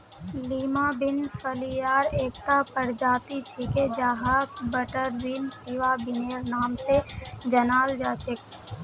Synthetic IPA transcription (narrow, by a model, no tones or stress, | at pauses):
liːmabɪnfʰəlijaːɾeːkt̪apəɾd͡ʒaːt̪it͡ʃʰɪked͡ʒaːɦakbəʈəɾʋiːnsɪʋabɪneːɾnaːmsed͡ʒənaːld͡ʒaːt͡ʃʰek